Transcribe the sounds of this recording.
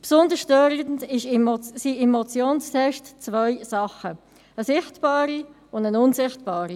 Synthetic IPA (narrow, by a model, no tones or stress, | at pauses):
psʊndəsʃtøɾəndɪʃimsiemɔt͡sjoːnstɛʃtt͡svœʏsɑχə | əsɪχtb̥ɑːɾi | ʊndənʊnzɪχtb̥ɑːɾi